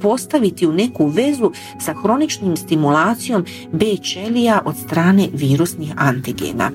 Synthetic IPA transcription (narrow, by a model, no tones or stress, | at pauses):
po̞st̪aʋit̪iune̞kuʋe̞zu | saxɾo̞nit͡ʃnomst̪imulˠaːt̪sijo̞m | beːt͡ʃe̞liaʔo̞d̪st̪ɾaːne̞ʋiːɾusnixant̪iɡḛːna̰